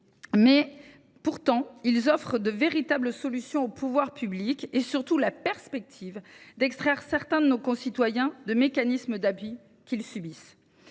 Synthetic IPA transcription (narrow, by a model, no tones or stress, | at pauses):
mɛ | puʁt̪ɑ̃ilzɔfχəd̪əveʁit̪abləsɔlysjɔ̃opʰuvwaʁpyblikesyʁt̪ulapɛʁspɛk̚t̪ʰivd̪ɛkst̪χɛʁsɛʁt̪ɛ̃d̪ənokɔ̃sit̪wajɛ̃d̪əmekanisməd̪apɥi | kʲilsybis